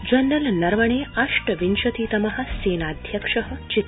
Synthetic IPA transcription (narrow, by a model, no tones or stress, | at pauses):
d͡ʑɐnd̪ɐlnɐɾʋɐɳ̃eːaʂʈɐʋinʃɐt̪iːt̪ɐmɐɦɐ̆seːnaːd̪ʱjɐkʂɐɦɐ̆t͡ʃit̪ː